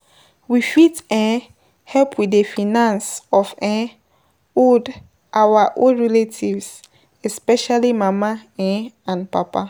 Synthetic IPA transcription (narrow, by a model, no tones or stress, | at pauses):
wifitɛ̃ | hɛpʰwidefinãnsɔfɛ̃ | od | ʔawaʔõɹɛletʰivs | ɛspɛʃalimamaɛ̃ãnpapa